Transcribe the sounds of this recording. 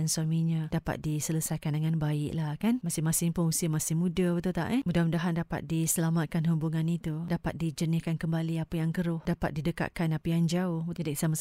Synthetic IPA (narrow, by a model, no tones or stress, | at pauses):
nswamiɲãdapa̰t̪̚disələsajkandəŋanbaɪʔlahkanmasɪhmasɪŋpʊnusiəmasɪhmudabət̪ut̪a̰ʔɛmudahmudaɦandapa̰t̪̚disəlamat̪̚kanhubuŋanit̪udapa̰t̪̚did͡ʒənɪhkankəmbaliapajaŋkəɾʊhdapa̰t̪̚didəka̰ʔkanapajaŋd͡ʒaʊht̪ədaʔsamas